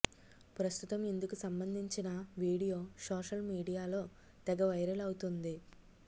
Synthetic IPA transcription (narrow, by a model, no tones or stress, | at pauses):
pɾɐst̪ut̪ɐmend̪ukusɐmbɐnd̪ʱiɲt͡ʃinɐʋiːɽijo̞ːsoːʃɐlmiːɽijaːlo̞ː | t̪ɛɡɐʋɐjɾɐlɐwut̪und̪i